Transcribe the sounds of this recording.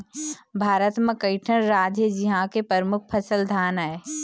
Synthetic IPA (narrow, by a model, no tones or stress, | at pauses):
bʱaːɾət̪mə̃kəɪʈʰənɾaːd͡ʒəd͡ʒiɦãkepəɾmʊkʰpʰɐsəld̪ʱaːnae